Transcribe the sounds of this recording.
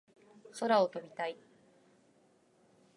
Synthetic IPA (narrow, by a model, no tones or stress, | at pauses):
so̞ɾao̞t̪o̞mʲit̪ai